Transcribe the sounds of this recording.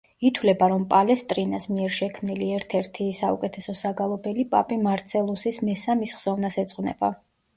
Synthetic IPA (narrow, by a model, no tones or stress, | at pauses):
it̪ʰwlɛbaɾɔmpʼalɛst̪ʼɾinasmiɛɾʃɛkʰmniliɛɾt̪ʰɛɾt̪ʰisaṵkʼɛt̪ʰɛsɔsaɡalˠɔbɛlipʼa̰pʼimaɾt̪sʰɛlˠusismɛsamisχz̥ɔvnasɛt̪sʼqʼwnɛ̰ba